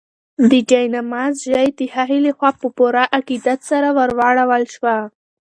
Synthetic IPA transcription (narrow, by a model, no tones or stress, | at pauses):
d̪əd͡ʒajnamɑzʒajt̪ihaɦilexwɑpəpuɾaʔakid̪at̪saɾawaɾwɑɽawəlʃwa